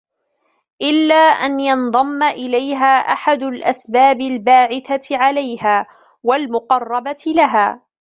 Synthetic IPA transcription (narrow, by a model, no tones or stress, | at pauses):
ʔɪlːaːʔanjɑnðˤɑmːaʔɪlajɦaːʔaħad̪ʊlʔasbaːbɪlbaːʕɪθaʕalajhaː | walmʊqɑrˤːɑbat̪laɦaː